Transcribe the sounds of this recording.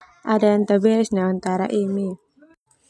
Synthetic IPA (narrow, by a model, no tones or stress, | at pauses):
ʔadaənt̪əbɛsnaant̪aɾa̰ʔini